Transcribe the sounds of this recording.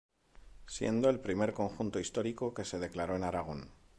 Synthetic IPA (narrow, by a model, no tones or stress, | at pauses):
sje̞̰nd̪o̞e̞lpɾime̞ɾko̞ŋxunt̪o̞ist̪o̞ɾiko̞ke̞se̞ð̞e̞klaɾo̞e̞naɾaɣ̞o̞n